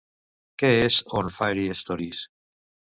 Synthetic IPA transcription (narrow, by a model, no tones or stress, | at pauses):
keesɔ̃nfajɾiest̪ɔɾis